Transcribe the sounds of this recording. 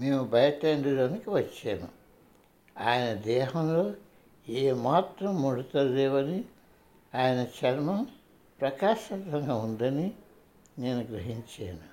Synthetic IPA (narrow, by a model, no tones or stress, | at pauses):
meːmubɐjɐʈeːɳɖiɾoːnikiʋɐt͡ʃːeːnṵ | aːjɐnɐd̪ɛːɦɐmlo̞ː | eːmaːt̪ɾɐmːuɽut̪ɐleːʋɐni | aːjɐnɐt͡ʃɐɾmɐm | pɾɐkaːʃɐt̪ʋɐŋɡaːund̪ɐni | neːnuɡɾɐɦiɲt͡ʃeːnu